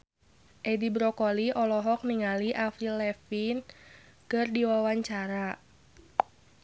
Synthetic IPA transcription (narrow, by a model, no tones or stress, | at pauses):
ʔɛdibɾɔkɔliʔɔlɔɦɔk̚niŋaliʔafɾilɛfin | kɨrdiwawaɲt͡ʃaɾa